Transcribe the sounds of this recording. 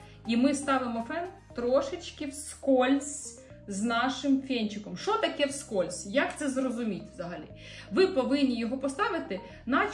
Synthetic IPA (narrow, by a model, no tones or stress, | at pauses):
imɪst̪ɑʋɪmɔfɛnt̪ɾɔʃɪt͡ʃkɪwskɔlʲsʲ | znɑʃɪmfʲɛnʲt͡ʃɪkɔmʃt͡ʃɔt̪ɐkɛwskɔlʲsʲjɐkt̪sɛzrɔzʊmʲitʲʋzɐɦɐlʲḭ | ʋɪpɔʋɪnʲnʲːijɔɦɔpɔst̪ɑʋɪt̪ɪ | nɑ